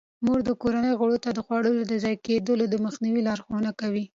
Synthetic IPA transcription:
muɡd̪əkoɾanəjɣəɽot̪ad̪əɣwɑɽəlod̪əzɑjked̪əlod̪əməxniwilɑɾxonakawi

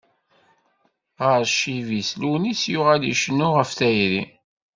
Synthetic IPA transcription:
ʁəɾʃivislunisjʊʁæliʃənːʊʁəfθæjɾi

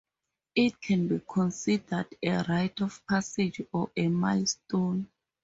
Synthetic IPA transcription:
it̚kʰɛ̃nbikʰɔ̃nsidadɛɹajtʰɔfpʰased͡ʒɔʔɛmajstõn

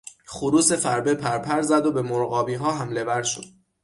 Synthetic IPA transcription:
χuɾuːse̞fæɾbepʰæɾpʰæɾzæd̪obe̞moɾɣɒːbiːɦɒːɦæmle̞væɾʃo̰d̪̥̚

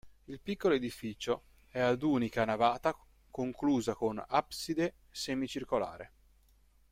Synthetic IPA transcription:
ilpikːoloed̪ifit͡ʃo | ɛad̪uːnikanavaːt̪a | koŋkluːzakonapsid̪e | semit͡ʃirkola̰ːɾḛ

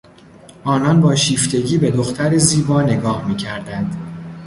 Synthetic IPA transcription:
ʔɒːnɒnbɒːʃiːft̪ʰe̞ɟiːbe̞d̪oxt̪ʰæɾeziːbɒːne̞ɡɒːhmiːcʰæɾd̪ænd̪̥

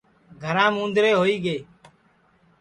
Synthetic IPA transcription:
ɡʱəɾãːmũːnd̪ɾeːɦoːiːɠeː

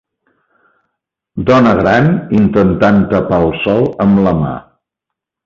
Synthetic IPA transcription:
d̪ɔnəɣɾanint̪ənt̪ant̪əpalˠsɔlˠəmləma̰

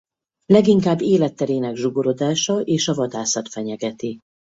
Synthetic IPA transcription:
lɛɡiŋkaːbːeːlɛt̪ːɛɾeːnɛɡʒuɡo̞ɾo̞d̪aːʃɒʔeːʃɒvɒd̪aːsɒt̪fɛɲɛɡɛt̪i

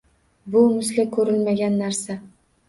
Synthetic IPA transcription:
bʊmʊslakʰɵɾɪlmaɡʲanːaɾsa

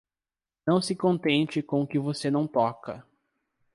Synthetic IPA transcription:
nɐ̃w̃sɪkõnt̪ẽnt͡ʃɪkõkɪvosenɐ̃w̃t̪ɔkɐ̰

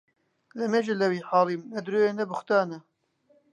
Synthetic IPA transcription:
lɛmɛʒɨlɛwiːħɑːlˠiːmnɛd̪ɾoːjeːnɛbɨxt̪ɑːnɛ

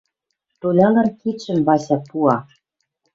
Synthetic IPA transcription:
t̪olʲɑlɤ̆rkit̪ʃɘ̆mbɑɕɑpuɑ

